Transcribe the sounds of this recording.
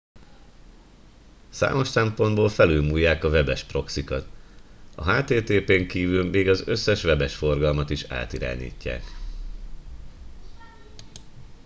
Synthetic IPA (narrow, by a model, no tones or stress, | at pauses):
sa̰ːmo̞ʃsɛmpo̞nd̪boːlfɛlylmuːjːaːkɒvɛbɛʃpro̞ksikɒt̪ɒ̰ɦaːt̪eːt̪eːpeːŋkiːvylmeːɡɒzøsːɛʃʋɛbɛʃfo̞rɡɒlmɒt̪iʃa̰ːt̪iɾa̰ːɲḭːcːa̰ːk